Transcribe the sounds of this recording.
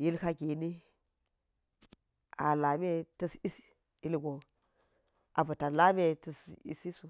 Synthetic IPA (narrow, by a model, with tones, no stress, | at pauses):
ji˦lka˦ɡi˨ni˦ | a̰˨la˨me˦tə˦si˦si˦ | i˦lɡʷo˨ | ʔa˨vu˨ta˨la˦me˦tə˦˨sḭ˦si˦su˨